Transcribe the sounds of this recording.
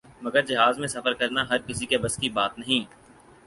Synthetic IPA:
mɐɡəɾd͡ʒɐɦaːzmẽsɐfəɾkɐɾnaɦɐɾkɪsikebɐskibaːt̪nɐɦĩː

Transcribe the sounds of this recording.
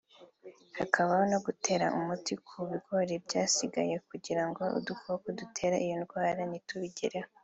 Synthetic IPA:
hakʰaβahono̞ɡutʰe̞ːɾa̰ʔumutikʰuβiɡo̞ɾebɟaːsiɡa̰je̞kuɟiɾaŋɡo̞ṵdukokodutʰe̞ːɾaʔijonɡwaːɾanituβiɟḛɾeho

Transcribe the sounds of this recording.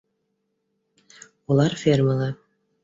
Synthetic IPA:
ulˠɑɾfʲerməlˠɑ

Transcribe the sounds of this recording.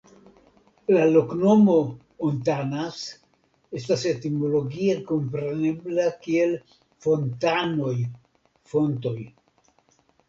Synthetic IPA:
lalo̞kno̞mo̞ | ontanas | e̞stase̞timo̞loɡie̞ko̞mpɾe̞ne̞blakie̞l | fo̞ntano̞j | fo̞nto̞j

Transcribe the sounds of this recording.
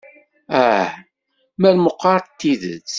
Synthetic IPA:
æ | mæɾməqːɑɾˤt̪ːiðə̰t͡s

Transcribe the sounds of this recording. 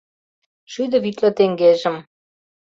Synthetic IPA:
ʃyd̪ɤ̆βit̪lĕt̪eŋɡeʒə̆m

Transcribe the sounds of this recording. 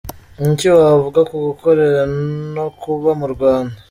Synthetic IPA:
iɲciwavuɡakuɡukoɾeɾanokuβamuɾɡwaːnda

